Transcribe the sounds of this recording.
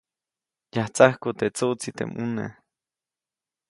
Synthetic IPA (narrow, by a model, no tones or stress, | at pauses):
jaht͡sahkut̪et͡suʔt͡sit̪ḛmunḛ